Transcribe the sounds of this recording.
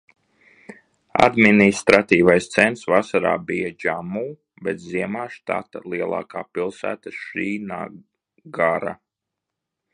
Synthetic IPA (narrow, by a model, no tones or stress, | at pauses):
a̰d̪minist̪ɾat̪iːvajst̪sɛnsvasaɾa̰ːbijad͡ʒamuː | bɛt̪ziɛmaːʃt̪a̰t̪alˠiɛlˠa̰ːkaːpilˠsæ̰ːt̪aʃiːna̰ː | ɡaɾa̰